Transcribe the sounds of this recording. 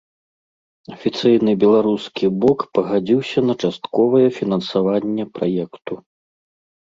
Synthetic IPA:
ɐfʲit̪sɨjnɨbʲɛlˠaɾuskʲiblɔkpɐɣad͡zʲiwsʲɐnɐt͡ʂast̪kɔvɐjɛfʲinɐnsavanʲːɛpɾajɛkt̪u

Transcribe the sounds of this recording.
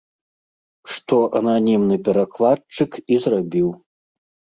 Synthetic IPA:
ʂt̪ɔʔɐnanʲimnɨpʲɛɾaklˠat̪̚t͡ʂɨkizrabʲiw

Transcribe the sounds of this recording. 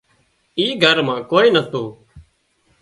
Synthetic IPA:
iːɡʱəɾmãːkoːiːnət̪oː

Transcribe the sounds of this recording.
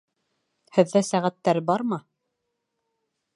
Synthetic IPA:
hɘ̆ðːæsæʁæt̪ːæɾbɑɾmɤ

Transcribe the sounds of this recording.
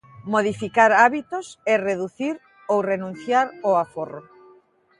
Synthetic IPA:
moð̞ifikaɾaβit̪osɛreðuθiɾ | owrenũn̟θjaɾoaforo

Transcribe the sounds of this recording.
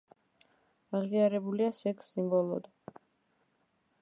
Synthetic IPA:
aʁiaɾɛbuliasɛkʰsimbɔlˠɔd̪

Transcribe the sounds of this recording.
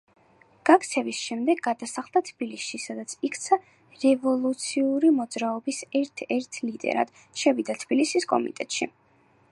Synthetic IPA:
ɡ̥ak̚t̪sʰɛvisʃɛmd̪ɛɡːad̪asaχlˠd̪at̪ʰb̥ilisʃisad̪at̪sʰikʰt̪sʰa | ɾɛvɔlˠut̪sʰiuɾimɔd̪zɾaɔbisɛɾt̪ʰɛɾt̪ʰlid̪ʼɛ̰ɾa̰d̪̥ | ʃɛvid̪at̪ʰb̥ilisiskʼɔ̰mḭt̪ʼɛt̪ʼʃi

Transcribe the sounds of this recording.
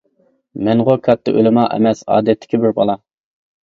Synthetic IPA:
mɛŋʁokʰɑt̪ʰːɨʔølɪmɑʔɛ̰mɛsɑ̰ːd̪ɛt̪ʰːɪ̥kʲɪbɪɾbɑlˠɑ

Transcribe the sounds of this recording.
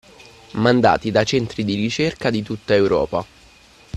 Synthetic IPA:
mand̪a̰ːt̪id̪at͡ʃɛnt̪ɾid̪iɾit͡ʃerkad̪it̪ut̪ːaewɾɔ̰ːpa

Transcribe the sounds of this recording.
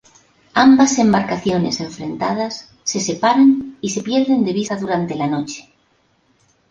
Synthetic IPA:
ambase̞mbaɾkaθjo̞ne̞̰se̞ɱfɾẽ̞nt̪að̞asː | e̞se̞paɾanise̞pje̞ɾðe̞nd̪e̞βisaðuɾant̪e̞lano̞t͡ʃe̥

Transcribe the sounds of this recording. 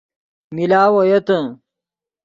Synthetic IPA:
milaːwojɐt̪ɐ

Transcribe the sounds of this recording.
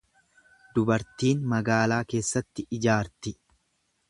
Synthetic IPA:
d̪ʊbɐɾt̪iːnmɐɡaːlaːke̞ːsːɐt̪ːɪʔɪd͡ʒaːɾt̪ɪ

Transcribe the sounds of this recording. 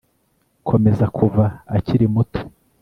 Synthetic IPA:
kʰo̞me̞zakʰuvaːciɾimuto̥

